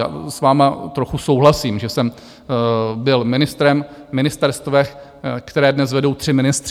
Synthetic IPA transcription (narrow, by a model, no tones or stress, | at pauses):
a̰svaːmat̪ɾo̞xuso̞wɦlasiːmʒɛsɛm | bɪlmɪnɪst̪ɾɛm | mɪnɪst̪ɛɾst̪vɛx | kt̪ɛɾɛːdnɛsvɛdo̞wt̪r̝̥ɪmɪnɪst̪r